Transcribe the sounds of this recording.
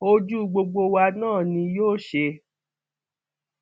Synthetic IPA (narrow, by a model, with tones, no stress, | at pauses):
o˧d͡ʒu˦ɡ͡bo˧ɡ͡bo˧wa˧nãː˦˨nĩ˧joː˦˨ʃe˧